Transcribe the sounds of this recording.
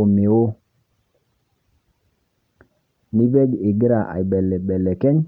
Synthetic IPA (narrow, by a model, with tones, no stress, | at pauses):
o˨me˨wo˦ | ni˦be˦ɡi˨ɡi˦ɾa˨ʔa̰˨jɓe˨lːe˨ɓe˨lːe˨ke˦ɲ